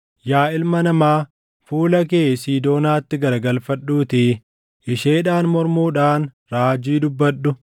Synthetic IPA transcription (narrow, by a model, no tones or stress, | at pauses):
jaːɪlmɐnɐmaː | fuːlɐk̬eːsiːd̪o̞ːnaːt̪ːɪɡɐɾɡɐlfɐᶑːuːt̪ɪ | ʔɪʃeːᶑaːnmɔɾmuːᶑaːn | ɾaːd͡ʒiːd̪ʊbːɐᶑːʊ